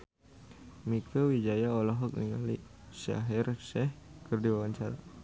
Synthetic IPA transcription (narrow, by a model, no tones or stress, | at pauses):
mikəwid͡ʒajaolɔɦɔk̚niŋa̰li | ʃa̰ɦɛrʃɛhkərdiwawaɲt͡ʃaɾa